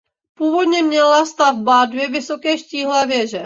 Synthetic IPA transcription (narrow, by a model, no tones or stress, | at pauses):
puːvod̪ɲɛmɲɛlast̪avbad̪vjɛvɪsokɛːʃciːɦlɛvjɛʒɛ